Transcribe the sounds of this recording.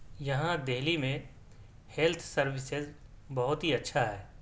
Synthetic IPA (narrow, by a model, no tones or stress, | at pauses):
jɐɦãd̪eɦlimẽ | helt̪ʰsɐɾwɪsɪzbɐɦʊt̪ɦiɐtːʃʰaɦɛː